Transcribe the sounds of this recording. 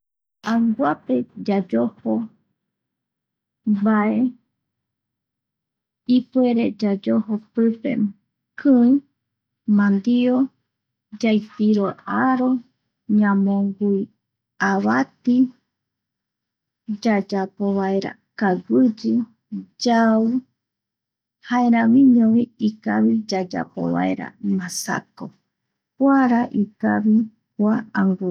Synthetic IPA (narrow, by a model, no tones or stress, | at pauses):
ãŋɡʷape̞d͡ʒad͡ʒoho | baʔe̞ | ipue̞ɾed͡ʒad͡ʒohopɨpḛ | kʰɨ̃ĩ | mãnd̪io | d͡ʒajpiɾoaɾo | ɲãmõŋɡuj | aβat̪i | d͡ʒad͡ʒapoβaeɾa̰ | kaɡɨd͡ʒɨ | d͡ʒau | haeɾãmĩɲõβiikaβid͡ʒad͡ʒa̰po̰βa̰ḛɾa̰mãsa̰ko | pwaɾaʔika̰βi | kʷaaŋɡu